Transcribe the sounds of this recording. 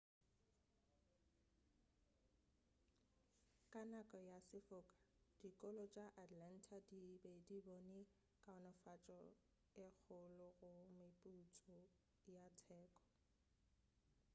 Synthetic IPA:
kʼanakʼɔjasɪfʊːkʼḁ | d̥ikʼɔlɔt͡ʃʼaʔatʼlan̩tʰadibedibɔnɛ | kʼaɔnɔfat͡ʃʼɔ | ɪk͡xʰʊlʊɣʊmɪpʼut͡sʼɔ | jatʰɛːkʼɔ̥

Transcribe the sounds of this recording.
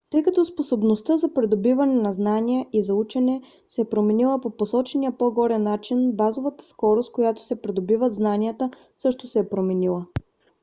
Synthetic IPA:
t̪ɤjkɐt̪ɔsposobnost̪əzɐpɾɛd̪obivɐnɛnɐznaniəʔizɐut͡ʃɛnɛ | sɛːpɾomɛnilˠəpoposɔt͡ʃɛniəpoɡɔɾɛnːat͡ʃinbazovət̪ə̥skɔɾost̪̚kojat̪o̥sɛpɾɛd̪obivəd̪znaniət̪ə | sɤʃt̪ʊsɛːpɾomɛnilˠə

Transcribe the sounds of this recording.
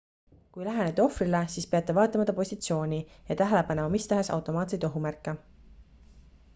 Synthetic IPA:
kujlæɦenet̪ːo̞frilesiːspeɑt̪ˑːe̞vɑːt̪ːˑɑmɑt̪ːˑɑpo̞sʲit̪sio̞ːnʲijɑt̪æɦælepɑne̞mɑmist̪æɦe̞sɑ̰wt̪ˑo̞mɑːt̪se̞jt̪oɦumærkːˑe

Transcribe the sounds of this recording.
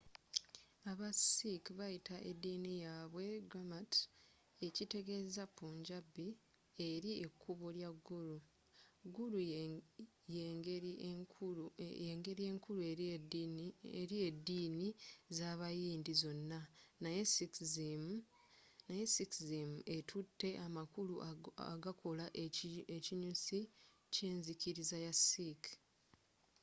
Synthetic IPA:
aβasikβajitʰaʔedːiːnijaːβwe̞ɡɾamat | ecite̞ɡe̞zapːuːɲɟabːi | e̞ɾie̞kʰːuβoljaɡːuɾu | ɡːuɾu | je | eŋɡe̞ɾie̞ːŋkʰuɾue | eɾie̞dːiːnizaːβajiːndizo̞nːanajesikzim | najesikzimuetʰutːe̞ʔamakuluʔa̰ɡakʰo̞laʔeciɲusi | ce̞ːnzikiɾizajasik

